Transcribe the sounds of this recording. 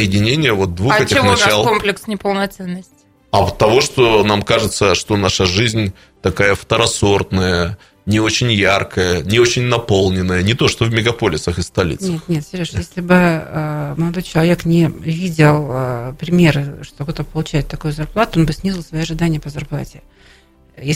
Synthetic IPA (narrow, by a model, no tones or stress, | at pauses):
əjɪdʲɪnʲenʲɪjəvo̞t̪̚d̪vuxɛtʲɪɪxnɐt͡ɕalˠkomplʲɪksnʲɪpəlˠnɐt̪sɛnːəsʲtʲɪ̥ | ɐt̪ːɐvo̞ʂt̪o̞namkaʐɨt̪səʂt̪o̞naʂəʐɨzʲnʲ | t̪ɐkajəft̪əɾɐso̞rt̪nəjə | nʲɪo̞t͡ɕɪnʲjarkəjənʲɪo̞t͡ɕɪnʲnɐpo̞lˠnʲɪnːəjənʲɪt̪o̞ʂt̪ovmʲɪɡɐpo̞lʲɪsəxɨst̪ɐlʲḭt̪nʲet̪xnʲet̪sʲɾʲoʂjesʲlʲɪbɨəməlˠɐd̪ojt͡ɕɪlˠɐvʲe̞knʲɪvʲidʲɪlˠəpɾʲɪmʲe̞ɾɨʂt̪oɡ̪t̪əbpəlˠʊt͡ɕæɪt̪ːɐkojʊzɐrplˠat̪ʊonbɨsʲnʲizʲɪlˠsvɐjoɐʐɨd̪anʲɪjəpəzɐrplˠa̰tʲɪ | je